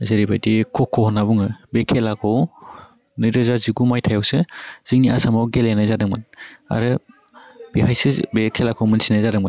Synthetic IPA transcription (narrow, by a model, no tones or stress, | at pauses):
zeɾibajdikʰɔkʰːɔhɔnabuŋɯbekʰelakʰɔw | nɯjɾɯzaziɡumajtʰajawsɯz̥iŋniʔasamawɡelenɯzadɯŋmɯna̰ɾɯ | b̥ihajsɯbekʰelakʰɔwmɯnsinɯzadɯŋmɯn